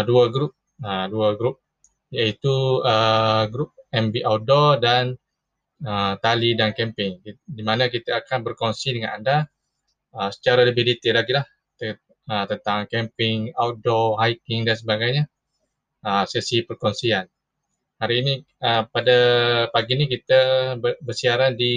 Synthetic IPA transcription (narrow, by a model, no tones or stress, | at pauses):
duaɡɾup̚ | əduaɡɾup̚ | jait̪uəɡɾup̚ɛmbiʔawdɔdan | ət̪alidankɛmpɪŋdimanak̬it̪aakanbərkɔnsidəŋananda | əsə̥t͡ʃaɾaləbɪhdit̪ɪlaɡilah | t̪ə | ət̪ənt̪aŋkɛmpɪŋawdɔɦajkɪŋdans̬əbaɡajɲa | əsɛsipərkɔnsian | haɾiːni | əpadapaɡinikit̪abəbərsiaɾandi